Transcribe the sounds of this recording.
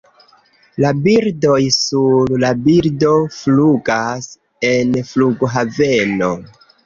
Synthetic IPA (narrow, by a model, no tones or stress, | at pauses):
labiɾdo̞jsullabiɾdo̞fluɡas | e̞nfluɡoɦave̞no̞